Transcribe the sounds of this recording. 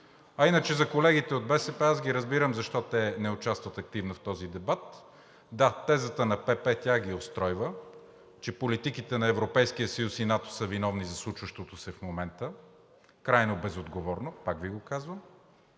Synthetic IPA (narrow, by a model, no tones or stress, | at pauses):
ɐinət͡ʃɛzɐkolɛɡit̪ɛod̪bɛsɛpɛazɡʲiɾəzbiɾəmzɐʃt̪ɔt̪ɛnɛʊt͡ʃast̪vət̪ɐk̚t̪ivnɐft̪ɔzid̪ɛbat̪ | d̪at̪ɛzət̪ənɐpɛpɛt̪ʲaɡiost̪ɾɔjvə | t͡ʃɛpolit̪ikit̪ɛnɐɛvɾopɛjskijəsəjusinat̪o̥səvinɔvnizɐslˠut͡ʃvəʃt̪ot̪osɛfmomɛnt̪ə | kɾajnobɛzod̪ɡovɔɾnopakviɡokazvəm